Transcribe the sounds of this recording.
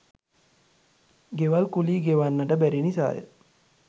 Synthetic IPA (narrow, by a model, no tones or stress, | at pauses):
ɡeʋalkuliːɡeʋanːəʈəbæɾinisa̰ːjə̰